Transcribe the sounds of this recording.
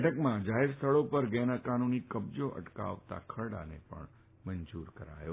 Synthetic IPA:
ʈʰəkmãd͡ʒaɦeɾst̪ʰəɭopəɾɡɛnakanunikəbd͡ʒoʔə̰ʈka̰ʋt̪a̰kʰəɽa̰nḛpə̰ɳ | mənd͡ʒuɾkəɾa̰jo

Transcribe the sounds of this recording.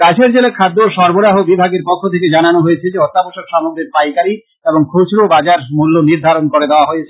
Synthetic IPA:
kat͡ɕʰeɾd͡ʑelekʰad̪ːoʃɔɾboɾaɦobibʱaɡeɾpɔkʰːot̪ʰeked͡ʑananoɦojet͡ɕʰed͡ʑeɦɔt̪ːaboʃoɾʃamoɡɾeɾpajkaɾi | eboŋkʰot͡ɕɾobad͡ʑaɾmulːoniɾd̪ʱaɾonkoɾed̪eoaɦojet͡ɕʰe

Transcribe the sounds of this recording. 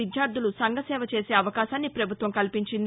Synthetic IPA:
id̪ʱjaːɾd̪ʱulusɐŋɡʱɐsɛːʋɐt͡ʃe̞ːse̞ːɐʋɐkaːʃaːnːipɾɐbʱut̪ʋɐmŋkɐlpiɲt͡ʃind̪

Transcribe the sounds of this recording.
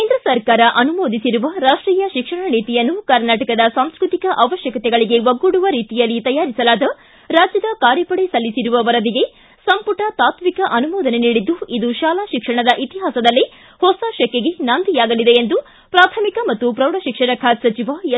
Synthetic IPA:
keːnd̪ɾɐsɐɾkaːɾɐʔɐnumoːd̪isiɾuʋɐɾaːʂʈɾiːjɐʃikʂɐɳɐniːt̪ijɐnːukɐɾnaːʈɐkɐd̪ɐsaːmskɾut̪ikɐʔɐʋɐʃjɐkɐt̪ɛɡɐɭiɡe̞ʋɐɡːuɽuʋɐɾiːt̪ijɐlːit̪ɐjaːɾisɐlaːd̪ɐ | ɾaːd͡ʒjɐd̪ɐkaːɾjɐpɐɽesɐlːisiɾuʋɐʋɐɾɐd̪iɡe̞ | sɐmpuʈɐt̪aːt̪mikɐʔɐnumoːd̪ɐne̞niːɽid̪ːuid̪uʃaːlaːʃikʂɐɳ̃ɐd̪ɐʔit̪iɦaːsɐd̪ɐlːi | hɔsaːʃɐkːeɡe̞nɐnd̪ijaːɡɐlid̪eːnd̪u | pɾaːt̪ʰɐmikɐmɐt̪ːupɾɐwɽɐʃikʂɐɾɐkʰaːt̪sɐt͡ʃiʋa

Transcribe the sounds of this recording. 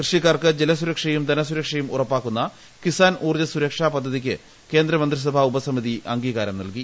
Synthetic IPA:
krɨʂik̬ːaːrkɨd͡ʑelɐsuɾɐkʂɐjumd̪ɐnɐsuɾɐkʂɐjumṵrɐpːaːkːunːɐ | kisaːnuːrd͡ʑɐsuɾɐkʂaːpɐd̪ʱːɐðikʲːɨ | ke̞ːnd̪ɾɐmɐnd̪ris̬ɐbʱaubɐsɐmiðiʔɐŋɡiːɣaːɾɐmnɐ̰lki

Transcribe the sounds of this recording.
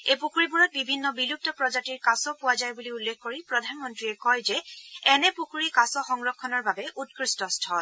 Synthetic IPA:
epukʰuɹibuɹɔt̚bibʱinːɔbilup̚tɔpɹɔd͡ʒatiɹkasɔpʊwazajbuliulːekʰkoɹipɹɔdʱanmɔntɹiɛkɔjzɛɛnɛpukʰuɹikasɔxɔŋɹɔkʰːɔnɔɹbabɛʔut̚kɹistɔstʰɔl

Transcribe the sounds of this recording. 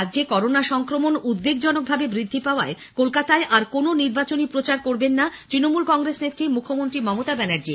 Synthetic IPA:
adːd͡ʑekɔɾonaʃɔŋkɾomonud̪̚beɡd͡ʑɔnok̚bʱabebɾid̪ʱːipaoae | kolkat̪aeʔaɾkononiɾbat͡ɕonipɾot͡ɕaɾkoɾbenːat̪ɾinomulkɔŋɡɾesnet̪ːɾimukʰːomont̪ɾimɔmot̪abɛnaɾd͡ʑi

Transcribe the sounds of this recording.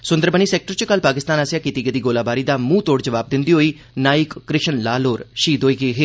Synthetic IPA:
sʊ̃nd̪əɾbəniːsɛːk̚ʈəɾt͡ʃəkəlpaːkɪst̪aːnəsjaːkiːt̪iːɡəd̪iːɡoːlaːbaːɾiːd̪aːmũːt̪oːɽd͡ʒəʋaːb̚d̪ɪnd̪iːɦoːiː | naːɪkːɾɪʃənlaːloːɾʃiːd̪oːiːɡeːɦeː

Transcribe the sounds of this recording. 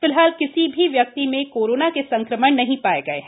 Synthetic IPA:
fɪlɦaːlkɪsibʱiʋjɐk̚t̪imẽkoːɾoːnakesɐ̃ŋkɾəməɽ̃nɐɦĩpaːeɡɐḛɦɛː

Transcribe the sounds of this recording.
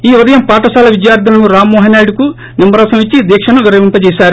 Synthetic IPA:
iːʋɐd̪ɐjɐmpaːʈɐsaːlɐʋid͡ʒjaːɾd̪ʱɐlɐnuɾaːmːɔːɦɐnaːjɖuku | nimːɐɾɐːsɐmʋit͡ʃːid̪iːkʂɐnɐʋiɾɐʋimpɐt͡ʃɛːʃaːɾu

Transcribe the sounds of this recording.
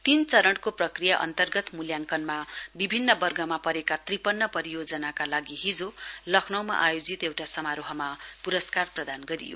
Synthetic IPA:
t̪int͡sʌɾʌɳɽkoprʌkrijaʔʌ̰nt̪ʌrɡʌt̪muljaŋkʌnmabibʱinːʌbʌrɡʱʌmapʌɾekat̪ripʌnːʌpʌɾijod͡zʌnakalaɡiɦid͡zolʌkʰnʌwma̰ʔajod͡zit̪ewʈasʌmaɾoɦʌmapuɾʌskarprʌd̪anɡʌɾḭjo̰

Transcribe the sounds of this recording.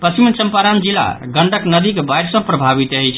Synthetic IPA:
pəsimnt͡ʃəmpaɾand͡ʒilːa̰ɡəɳɖəknəd̪ikebajɖsə̃pɾəbʱaβit̪əɦɛt͡ʃʰ

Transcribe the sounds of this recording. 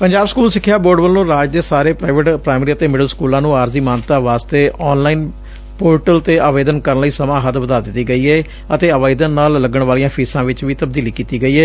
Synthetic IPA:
pəɲd͡ʒaːbskuːlsɪkʰːjaːboːɖbəlːõːɾaːd͡ʒd̪eːsaːɾeːpɾaːɪʋeʈpɾaːɪmɾiːət̪eːmɪɖəlskuːlãːnũːaːɾziːmaːnt̪aːʋaːst̪eːʔɔːnlaːiːn | poːʈəlt̪eːʔaːʋeːd̪ənkəɾənləiːsəmãːɦət̪ʋəd̪aːd̪ɪt̪ːiːɡəiːɛː | ət̪eːəʋaːɪd̪ənːaːlːəɡəɳʋaːlijãːpʰiːsãːʋɪt͡ʃʋiːt̪əb̚d̪iːliːkiːt̪iːɡəiːɦɛː

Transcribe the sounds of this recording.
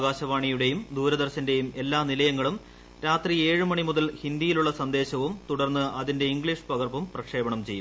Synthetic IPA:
ɣaːɕɐʋaːɳijuɽe̞jumd̪uːɾɐd̪ɐrɕɐnde̞jume̞lːaːnilɐjɐŋːɐɭum | ɾaːt̪rie̞ːɻɨmɐɳimuðɐlhind̪ijiluɭːɐsɐnd̪e̞ːɕɐʋumt̪uɽɐrnːɨɐðinde̞iŋɡɭiʂpɐɣɐrbɐmprɐkʂe̞ːbɐɳɐmt͡ɕe̞̰jːu

